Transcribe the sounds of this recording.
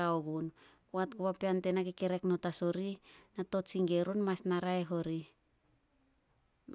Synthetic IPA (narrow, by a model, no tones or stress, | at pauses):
aoɡunkuatkuβapeante̞nakekeɾe̞kno̞taso̞ɾinato̞tsiŋɡe̞ɾonmasnaɾaeɦo̞ɾi